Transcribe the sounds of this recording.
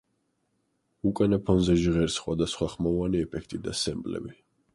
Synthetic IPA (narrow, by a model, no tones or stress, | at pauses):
ukʼanapʰɔnzɛʒʁɛɾsχwad̪asχwaχmɔvaniɛpʰɛkʰt̪ʼid̪asɛmbʼlɛ̰bi